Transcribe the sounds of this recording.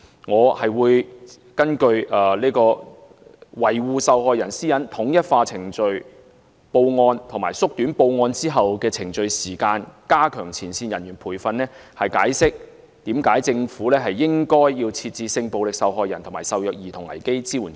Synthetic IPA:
ŋɔː˨˧hɐ˨jwuː˨˧j | kɐ˥nkɵ˧ɥɛː˨liː˥kɔː˧ | wɐ˨˩jwuː˨˧sɐ˨wɦɔː˨˧jɐ˨˩nsiː˥jɐ˨˥nt̪ʰʊ˨˥ŋjɐ˥t̚faː˧t͡sʰɪ˨˩ŋt͡ʃɵ˧ɥ | po˧wŋɔː˧nt̪ʰʊ˨˩maː˨˩jsʊ˥k̚t̪yː˨˥npo˧wŋɔː˧nt͡siː˥ɦɐ˨wkɛː˧t͡sʰɪ˨˩ŋt͡ʃɵ˧ɥsiː˨˩kaː˧nkaː˥kʰœː˨˩ŋt͡sʰiː˨˩nsiː˧njɐ˨˩nɥyː˨˩npʰuː˨˩jfɐ˨nlɛː˥hɐ˨jkaː˨˥jsɪ˥k̚ | t̪iː˨˥mkaː˨˥jt͡sɪ˧ŋfuː˨˥lɛː˥ɦɐ˨jːɪ˥ŋkɔː˥jːiː˧wt͡sʰiː˧t̚t͡siː˧sɪ˧ŋpo˨wlɪ˨k̚sɐ˨wɦɔː˨˧jɐ˨˩nt̪ʰʊ˨˩ŋmaː˨˩jsɐ˨wjœː˨k̚jiː˨t̪ʰʊ˨˩ŋɐ̰˨˩jke˥jt͡siː˥wuː˨˩n

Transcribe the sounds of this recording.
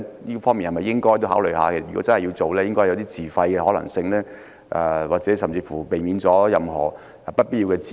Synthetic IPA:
jiː˥fɔː˥ŋmi˨nhɐ˨mɐ˨˩jɪ˥ŋkɔː˥jt̪o˥wɦaː˨˥wlɵ˨jɦa̰ː˨˧kʰsɐ˩y˨kɔ˨˦˥t͡sɐ˥hɐ˨ji˧wt͡so˨wlɛː˥jɪ˥ŋkɔː˥jjwt̪iː˥t͡siː˨˩fɐ˧jkɛː˧hɔː˨˥lɐ̰˨˩ŋsɪ˧ŋlɛː˥ | ʔɛ̰˨˧waː˨k̚t͡sɛ˨˥s̬ɐ˨mt͡siː˧fuː˨˩pe˨˩jmiː˨˥nt͡sɔː˨˥jɐ˨mhɔ̰ː˨˩˨ | pɐ˥t̚piː˥t̚ji˧wkɛː˧t͡si˨

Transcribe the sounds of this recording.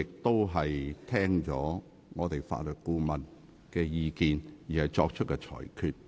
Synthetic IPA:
ɪ˨k̚t̪o˥wɦɐ˨jt̪ʰɛː˥ŋt͡sɔː˨˥ | ŋɔː˨˧t̪e˨jfa̰ː˧t̚lœː˨t̚kuː˧mɐ˨˩n | kɛː˧jiː˧kiː˨njiː˨hɐ˨jt͡sɔː˧k̚t͡ʃʰɵ˥t̚kɛː˧t͡ʃʰɔ̰ː˨˩jkʰyː˨˧t̚

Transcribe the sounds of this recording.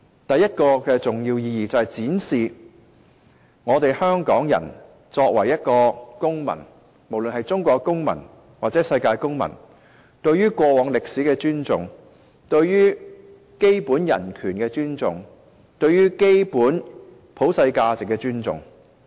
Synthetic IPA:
t̪ɐ˨jɐ˥t̚kɔː˧kɛː˧t͡sʊ˨˩ŋjiː˧wjiː˧jiː˨t͡sɐ˨whɐ˨˩jt͡siː˨˥nsiː˨ | ŋɔː˨˧t̪e˨jhœː˥ŋkɔː˨˥ŋjɐ̰˨˩n | t͡sɔː˧k̚wɐ˨˩jɐ˥t̚kɔː˧kʊ˥ŋmɐ̰˨˩n | mo˨˩wlɵ˨nɦɐ˨jt͡sʊ˥ŋkʷɔː˧kːʊ˥ŋmɐ̰˨˩n | waː˨t̚t͡sɛː˨˥sɐ˧jkaː˧jkʊ˥ŋmɐ̰˨˩n | t̪ɵ˧ɥyː˥kʷɔː˧wɔː˨˧˥ŋlɪ˨k̚siː˨˥kɛː˧t͡ʃyː˥nt͡sʊ˨ŋ | t̪ɵ˧ɥjyː˥ | ke˥jpuː˨˥njɐ̰˨˩nkʰyː˨˩nkɛː˧t͡ʃyː˥nt͡sʊ̰˨˩ŋ | t̪ɵ˧ɥyː˥ke˥jpuː˨˥n | pʰo˨˥wsɐ˧jkaː˧t͡sɪ˨kːɛː˧t͡ʃyː˥nt͡sʊ̰˨ŋ

